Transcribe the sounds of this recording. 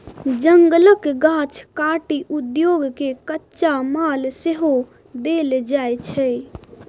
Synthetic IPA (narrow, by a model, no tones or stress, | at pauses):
d͡ʒəŋɡləkɡãt͡ʃʰkaʈiʔud̪joɡkekətːʃamalseɦo | d̪eld͡ʒajt͡ʃʰɛ